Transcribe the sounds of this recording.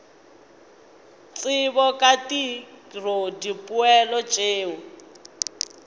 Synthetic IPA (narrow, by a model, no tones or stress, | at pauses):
t͡sʼɪβɔkʼatirodipʼʊɛlɔt͡ʃʼeːu